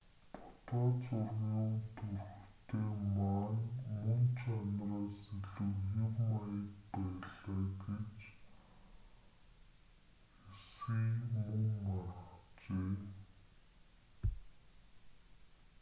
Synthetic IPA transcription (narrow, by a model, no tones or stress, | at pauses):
pʰʊ̥t̪ɔːt͡sʊrʁʊːnt̪ʰɵrxt̪ʰeːmaːnmɵnt͡ɕʰanraːseɮŭwjewmajə̆t̪pæːɮaːɡet͡ɕ | xesɡiːmɵŋːaɾə̆ə̆χt͡ɕeː